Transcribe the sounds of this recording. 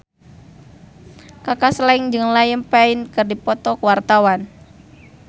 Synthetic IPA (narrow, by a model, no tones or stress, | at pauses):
kakaslaiŋd͡ʒɨŋlajəmpaɪnkɨrdipɔt̪ɔkəwart̪awan